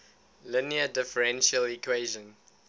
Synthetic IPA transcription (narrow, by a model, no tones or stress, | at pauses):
lɪniədɪfəɹɛ̃nʃəlikʰweːʒə̃n